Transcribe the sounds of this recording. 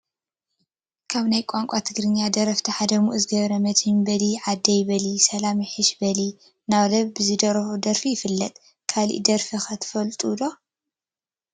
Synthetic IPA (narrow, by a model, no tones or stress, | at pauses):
kʰaβnajkʷʼaŋkʷʼat̪ʰɨɡɾɨɲːad̪ɐɾɐft̪ʰiħad̪ɐmuʔɨzɨɡɐβɾɐmɐt̪hɨmbɐliʕad̪ːɐjβɐlisɐlamiħɨʃbɐli | naβlɐβbɨzɨd̪ɐɾɐud̪ɐɾfijɪfɨlːɐt̪ʼ | kʰalḭʔd̪ɐɾfixɐt̪ʰɨ̥fɐlt̪ʼud̪o